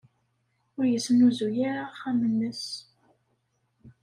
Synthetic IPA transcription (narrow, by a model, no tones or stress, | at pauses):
ʊɾjəsənuzujaɾaχæmənːəs